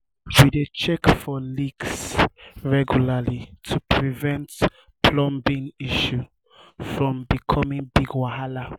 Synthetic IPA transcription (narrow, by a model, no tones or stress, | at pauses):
widet͡ʃɛkfɔliɡsɹɛɡjulalitʰupʰɹivɛ̃nt | pʰlɔ̃mbĩŋiʃu | fɹɔ̃mbikʰɔmĩŋbiɡwahala